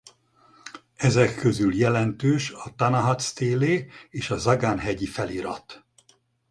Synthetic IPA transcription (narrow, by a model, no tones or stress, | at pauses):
ɛzɛkʰːøzyljɛlɛnt̪øːʃɒt̪ɒnɒɦɒt̪st̪eːleːeːʃɒzɒɡaːnɦɛɟifɛliɾɒ̰t̪